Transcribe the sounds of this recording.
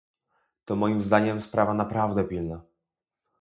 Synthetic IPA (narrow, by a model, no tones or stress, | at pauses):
t̪ɔmɔjimzd̪aɲɛmspɾʔavanapɾavd̪ɛpʲilna